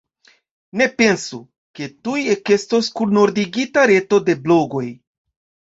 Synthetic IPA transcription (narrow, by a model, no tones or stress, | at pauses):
ne̞pe̞nsu | ke̞tujeke̞sto̞skunno̞ɾdiɡitaɾe̞to̞de̞blo̞ɡo̞j